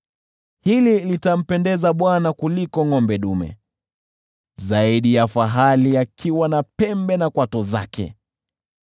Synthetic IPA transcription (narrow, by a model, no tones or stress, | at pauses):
hililitam̩pɛndɛzaɓwanakulikɔŋɔmbɛɗumɛ̰ | zaiɗijafaɦaliakʰiwanapɛmbɛnakwatɔza̰kɛ̰